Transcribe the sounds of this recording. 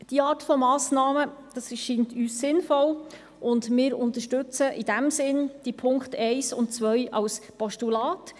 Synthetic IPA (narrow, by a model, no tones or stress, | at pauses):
d̥iɑːɾtfɔmɑːsnɑːməd̥ɑsʃiːntyːsːɪnfɔl | ʔʊndmɪːɾʊntəʃtʉt͡səʔɪd̥æmsɪnd̥ipʰʊŋktʰɛɪsʊ̰ntt͡sʋœjʔɑwspɔʃtulɑːt